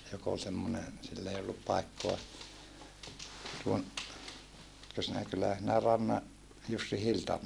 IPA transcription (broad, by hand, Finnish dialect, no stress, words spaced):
jok ol semːonen silː ei olːup pɑikːoɑ tuon etkø sinæ kylːæhæ sinæ rɑnːɑ jusːi hiltɑm